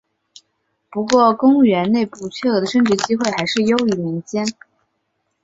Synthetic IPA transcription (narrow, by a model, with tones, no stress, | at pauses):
pu˧˥kwɔ˥˩kʊ˥ŋɥɛ˧˥nne˥˧ɪpu˥˩t͡ɕʰɥɛ˥˩t̪ɤ˧˥d̪ə˧ʂə˥˩ŋʈ͡ʂɻ̩˧˥t͡ɕi˥xwe˥˩ɪxa˧˥ɪʂɻ̩˥˩jo˥ʊi˧˩li˧˥ŋt͡ɕjɛ˥n